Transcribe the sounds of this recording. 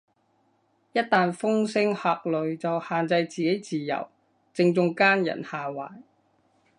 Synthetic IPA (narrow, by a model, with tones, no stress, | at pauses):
jɐ˥t̚t̪aː˨˧nfʊ˥ŋsɪ˥ŋhaː˧k̚lɵ˨ɥt͡sɐ˨whaː˨nt͡sɐ˧jt͡siː˨ke˨˥jt͡siː˨˩jɐ̰˨˩w | t͡sɪ˧ŋt͡sʊ˧ŋkaː˥njɐ̰˨˩nhaː˨˧wa̰ː˨˩j